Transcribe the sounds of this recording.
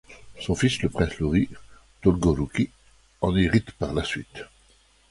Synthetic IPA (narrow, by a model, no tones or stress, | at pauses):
sɔ̃fisləpχɛ̃sluʁi | t̪ɔlɡɔɾukʲi | ɑ̃niʁit̪paʁlasɥit̪